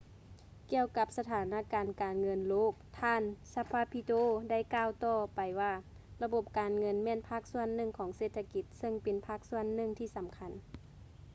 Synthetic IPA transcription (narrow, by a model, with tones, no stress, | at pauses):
ki˧əwka˧˥p̚sa˧t̪ʰaː˨˩˦na˧˩kaː˨˩nkaː˨˩nŋɤ˧˥nloː˥˩k̚t̪ʰaː˧˨nsa˧pʰaː˧pʰi˧t̪oː˧˨da˥˩˨jkaː˧˨wt̪ɔː˧˩pa˨˩jwaː˧˩ | la˧bo˧˦p̚kaː˨nŋɤ˧˥˨nmɛː˧˥˨npʰaː˧˥˩k̚su˧˥˨ənːɯ˧˩ŋkʰɔː˨˩˦ŋseː˧˩t̪ʰːa˧ki˧˦t̪̚sɤ˧˨ŋpe˨npʰaː˧˥˩k̚su˧˩ənːɯ˧˨ŋt̪ʰiː˧˨sa˨˦mkʰa˧˥n